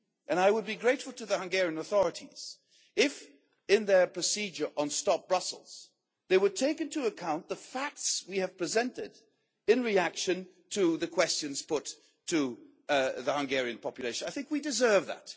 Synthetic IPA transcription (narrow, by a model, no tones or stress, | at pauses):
ʔɨ̃naɪwəd̚biɡɹeɪtfl̩ˠtʰɨðɨhʌ̃ŋɡɛɹiɨ̃nəθɔɹɨɾḭz̥ | ɪf | ɪ̃nðə˞pʰɹ̥ɨsid͡ʒə˞ʔə̃nstɑp̚b̥ɹʌsl̩ˠz̥ | ðeɪwətʰeɪkɨ̃ntʰɨəkʰãʊ̃nðəfæk̚tswiɨv̥pʰɹ̥ɨzɛ̃ntɪɾ | ɨ̃nɹiækʃɨ̃n | tʰɨðɨkʰw̥ɛst͡ʃɨ̃nz̥pʰʊtʰ | ɨ | ðəhʌ̃ŋɡɛɹiɨ̃npʰɑpjɨleɪʃnaɪθɪ̃ŋkwidɨzɜ˞vðæ̰t